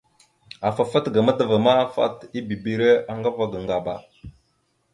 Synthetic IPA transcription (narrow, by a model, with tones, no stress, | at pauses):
a˨fa˨fa˦tɡa˨ma˦də˨va˨ma˦fa̰˦ti˦bi˨bi˨ɾe˦a˨ŋɡa˦va˦ɡa˨ŋɡa˨ba̰˨